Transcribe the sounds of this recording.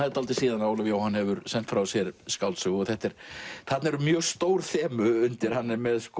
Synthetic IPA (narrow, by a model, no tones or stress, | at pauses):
ajɾt̪alt̪ɪ̥siːðanaːwlavjoːwhanːhɛvʏɾsɛn̥t̪fɾawsjɛɾskawlsʏɣɔɣθɛht̪ɛɾ̥θat̪naɛɾʏmjœːɣst̪oːwɾ̥θɛːmʏʏnt̪ɪɾ̥hanːɪmɛðsk